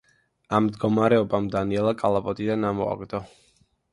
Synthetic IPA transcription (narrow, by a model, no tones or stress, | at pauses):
amd̪ɡɔmaɾɛɔbamd̪aniɛlˠakʼalˠapʼɔt̪ʼid̪anamɔa̰ɡd̪ɔ